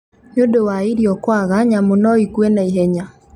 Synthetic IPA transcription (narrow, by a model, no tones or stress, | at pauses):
ɲodowaiɾiɔkwaɣaɲamonɔikuɛnaiɦɛɲa